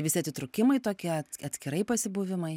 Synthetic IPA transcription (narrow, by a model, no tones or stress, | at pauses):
ʋʲɪsʲɪɐt̪sʲɪt̪ɾʊkʲɪmɐɪt̪oːkʲiɛɐtɐt̪ʲsʲkʲɪɾɐɪpɐsʲɪbuʋʲɪmɐɪ